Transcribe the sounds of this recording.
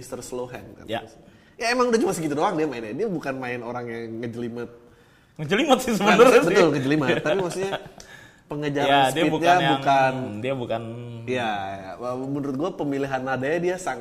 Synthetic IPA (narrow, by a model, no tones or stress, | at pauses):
ist̪ərsloɦɛnka̰a | jaemaŋudaht͡ʃumasəkit̪udoaŋdiamaɪnadiabukanmaɪnoɾaŋjaŋːəd͡ʒəlimət̪̚ | ŋəd͡ʒəlimət̪̚sisəbənəɾbət̪ʊlŋəd͡ʒəlimət̪ːapimaksuɲa | pəŋəd͡ʒaɾandiaibukɲajbaŋkandiabukanjajaəbənuɾʊt̪̚ɡuapəmiliɦanadajadiasaŋ